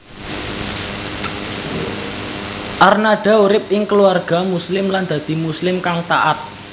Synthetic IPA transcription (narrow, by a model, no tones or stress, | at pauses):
ʔarnaɖ̥a̤uɾɪp̚ɪŋkəluarɡ̥a̤muslɪmland̪̥a̤d̪̥i̤muslɪmkaŋt̪a̰ʔat̪̚